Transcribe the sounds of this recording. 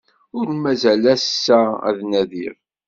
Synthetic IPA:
ʊɾmæzælæssːææ̰ðnæðiʁ

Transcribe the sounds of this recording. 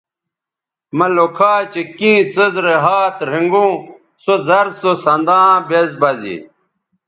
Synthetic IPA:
mɐlokʰaːt͡ɕekĩːt͡səzɾeɦaːt̪ɾĩŋɡũː | sozɐɾsosɐ̃nd̪ãːbezbɐzḭ

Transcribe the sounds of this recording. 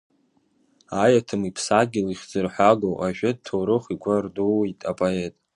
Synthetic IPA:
ajatʰɨmipʰsaɡʲɪliχʲd͡zɨrħʷaɡowʔaʒᶣad̚tʰowɾɨχiɡʷardowejtʼapʼoe̞tʼ

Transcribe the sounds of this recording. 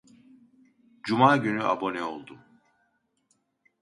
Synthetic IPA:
d͡ʒumaːɟynyʔa̰bo̞nɛo̞lˠd̪um

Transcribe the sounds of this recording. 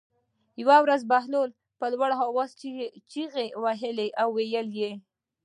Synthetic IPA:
jwawɾazbahlol | pəlwaɽɦawɑzt͡ʃit͡ʃiɣewaɦɪleʔawːejəlje

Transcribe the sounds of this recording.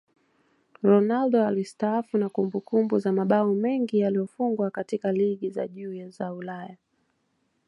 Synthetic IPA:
ɾɔnalɗɔalistaafunakumbukumbuzamaɓaɔmɛŋɡijalijɔfuŋɡwakatikaliɠiza̰ʄuːjazaulaja

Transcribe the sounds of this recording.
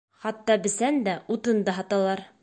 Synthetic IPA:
χɑt̪ːɑbɘ̆sænd̪æut̪ɤnd̪ɑɦɑt̪ɑlˠɑɾ

